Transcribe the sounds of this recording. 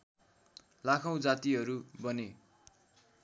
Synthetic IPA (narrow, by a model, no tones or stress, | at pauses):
lakʰʌw̃d͡zat̪iɦʌɾubʌne